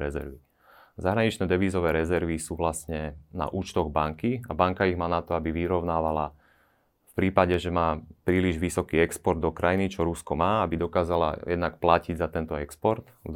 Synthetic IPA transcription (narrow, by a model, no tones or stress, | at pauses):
ɾɛzɛ̰ɾʋi | zaɦɾaɲit͡ʃnɛːd̪ɛʋiːzɔʋɛːɾɛzɛɾʋisuːʋlasɲɛna̰ʔuːt͡ʃt̪ɔɣbaŋkiabaŋkaiɣmaːnat̪ɔabiʋiɾɔʊnaːʋala | fpɾiːpaɟɛʒɛmaːpɾiːliʒʋisɔkiːɛkspɔɾd̪ːɔkɾajinit͡ʃɔɾuskɔmaːabid̪ɔkaːzala̰jɛ̰d̪nakplaciɟzat̪ɛnt̪ɔɛkspɔɾt̪